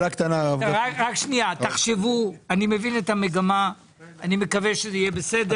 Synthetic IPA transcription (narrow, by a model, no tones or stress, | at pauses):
lakt̪anaavaʁakʃniat̪aχʃevuanime̞vine̞t̪ame̞ɡama | anime̞kave̞ʃezeijebesede